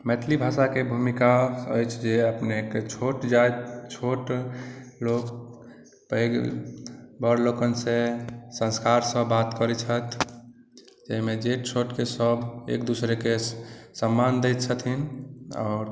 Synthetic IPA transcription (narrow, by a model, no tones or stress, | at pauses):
mɛt̪ʰlibʱasakebʱumikaəjt͡ʃʰd͡ʒeəpneket͡ʃʰoʈd͡ʒajt̪t͡ʃʰoʈ | lok | pəeɡ | bəɾlokənsẽsə̃nskaɾsəbːat̪kəɾɛt͡ʃʰət̪ʰ | d͡ʒəɦimed͡ʒeʈ̚t͡ʃʰoʈkesəbʱḛk̚d̪usɾekesəmːand̪ejt̪̚t͡ʃʰət̪ʰina̰ːɾ